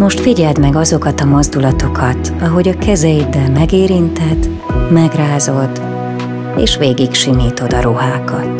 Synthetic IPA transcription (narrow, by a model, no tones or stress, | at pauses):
mo̞ʃt̪fiɟɛld̪mɛɡɒzo̞kɒt̪ɒmo̞zd̪ulɒt̪o̞kʰɒt̪ | ɒɦo̞ɟɒkɛzɛjid̪ɛlmɛɡeːɾint̪ɛt̪ː | mɛɡraːzo̞lt̪ | eːʃʋeːɡikʃimiːt̪o̞d̪ɒɾoɦaːkɒt̪